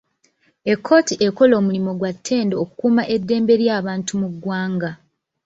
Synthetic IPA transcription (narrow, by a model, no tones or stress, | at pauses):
e̞kʰːo̞ːtiʔe̞ko̞lo̞ːmulimo̞ɡwatʰːe̞ːndeoku̥kuːmaʔe̞dːe̞ːmbe̞ɾjaːβaːntumuɡwaːŋɡa